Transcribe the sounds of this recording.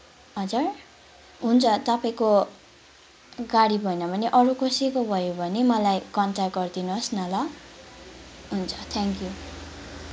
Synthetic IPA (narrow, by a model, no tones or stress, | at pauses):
ʌd͡zur | ɦunt͡sʰʌt̪ʌpaĩko | ɡaɽibʱʌjnʌbʱʌneʔʌɾukosikobʱʌjobʱʌnemʌlajkʌnʈakɡʌrd̪inusnʌlʌ | ɦunt͡sʰʌ̥t̪ʰaŋkju